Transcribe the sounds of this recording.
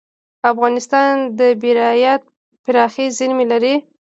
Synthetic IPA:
afɣɑnɪst̪ɑnd̪əbiɾɑjat̪̚ | pɪɾɑxezɪlmelaɾi

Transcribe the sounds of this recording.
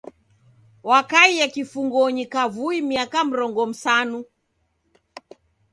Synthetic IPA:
wakaijakifuŋɡɔɲikavuimiakam̩ɾɔŋɡɔm̩sanu

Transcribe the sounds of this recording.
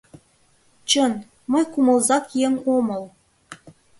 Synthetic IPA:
t͡ɕə̆n | məjkumɤ̆lˠzɑkieŋomɤ̆l

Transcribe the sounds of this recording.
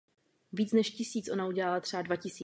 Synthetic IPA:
viːt͡snɛʃcɪsiːt͡sʔo̞nauɟɛlalat̪r̥ɛadvacɪsi

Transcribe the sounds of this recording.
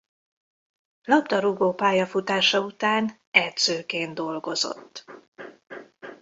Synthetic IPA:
lɒpt̪ɒɾuɡoːpaːjɒfut̪aːʃɒut̪aːn | ɛd̪zøːkeːnd̪o̞lɡo̞zo̞̰t̪ː

